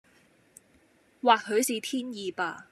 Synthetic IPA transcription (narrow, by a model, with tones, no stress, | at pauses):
waː˨k̚hɵ˨˧ɥsiː˨t̪ʰiː˥njiː˨˧paː˧